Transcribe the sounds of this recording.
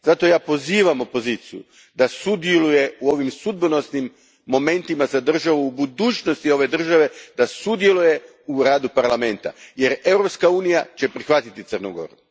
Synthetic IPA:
zat̪o̞jaːpo̞ziːʋamo̞po̞ziːt̪sijṵ | d̪asud̪jeluje̞uo̞ːʋimsud̪̚bono̞snimː | o̞me̞nt̪imazad̪r̩ʒaʋuːbud̪uːt͡ɕno̞st̪io̞ʋe̞d̪r̩ʒaʋe̞d̪asud̪je̞luje̞ | uɾaːd̪upaɾlame̞nt̪a̰je̞ɾe̞wɾo̞pskauːnijat͡ɕe̞pɾixʋat̪it̪it̪sərnuɡo̞̰ɾu

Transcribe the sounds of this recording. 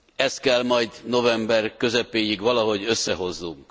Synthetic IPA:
ɛst̪̚kɛlmɒjd̪no̞vɛmbɛrkø̞zɛpeːjiɡʋɒlɒɦo̞ɟø̞sːɛɦo̞znuŋk

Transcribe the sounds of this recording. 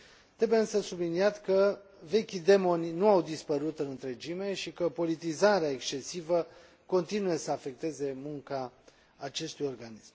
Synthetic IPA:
t̪ɾe̞bujeɨnsəsubliniat̪kə | ve̞kʲid̪e̞mo̞nʲnuawd̪ispəɾut̪ɨnɨnt̪ɾe̞d͡ʒime̞ʃikəpo̞lit̪izaɾeaekst͡ʃe̞sivə | ko̞nt̪inuje̞səafe̞k̚t̪e̞ze̞muŋkaː | t͡ʃe̞st̪ujo̞rɡanism

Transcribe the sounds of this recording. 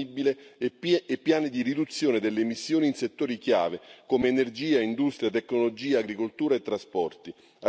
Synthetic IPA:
ibileː | pːjaːnid̪irid̪ut̪sːjoːned̪elːeːmisːjoːniːnset̪ːoːɾikja̰ːvekomeːnerd͡ʒiːaind̪ust̪ɾjat̪ekːnolod͡ʒiːaːɡɾikolt̪uːɾaet̪ːɾaspɔrt̪i | a

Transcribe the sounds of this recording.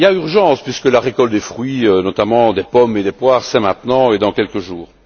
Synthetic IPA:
ljayʁʒɑ̃ːspɥiskəlaʁekɔlt̪̚d̪efχɥiønɔt̪amɑ̃d̪epɔmed̪epwaːʁsɛmɛ̃t̪nɑ̃ed̪ɑ̃kʲɛlkəʒuːʁ

